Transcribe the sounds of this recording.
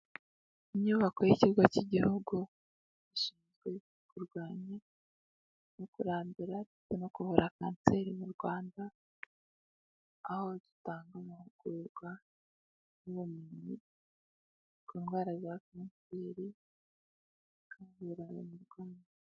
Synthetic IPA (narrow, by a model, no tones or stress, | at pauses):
iɲɲuβakojiciɾɡaciɟihuɡu | iʃiːnzɡwe̞ | kuɾɡwaːɲa | nokuɾaːmbiɾadit͡seno̞kuhuɾʔaka̰ːnse̞ɾimuɾɡwaːnda | ho̞du̥taːŋɡamuhuɡ̥uɾɡwa | nuβumuɲi | kuːnɡwaːɾazakaːnseːɾi | kaːβuɾao̰muɾɡwaːnda